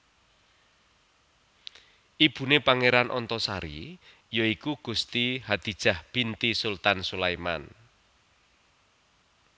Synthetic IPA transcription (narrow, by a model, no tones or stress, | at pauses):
ʔib̥ṳnepaŋeɾanʔɔnt̪ɔsaɾḭ | joikuɡ̥ṳst̪iɦad̪̥i̤d̥ʒ̥a̤hb̥int̪isult̪ansulajma̰n